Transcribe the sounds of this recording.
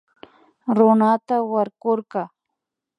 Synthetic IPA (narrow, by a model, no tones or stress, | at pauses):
ɾʊnat̪awaɾkoɾqɑ